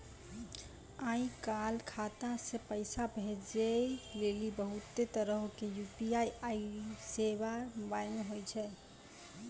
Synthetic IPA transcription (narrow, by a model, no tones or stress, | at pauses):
aĩkalkʰat̪asepəɪsabʱed͡ʒelelibəɦut̪ːet̪əɾəɦkejupiaajseβambajmeɦojt͡ʃʰɛ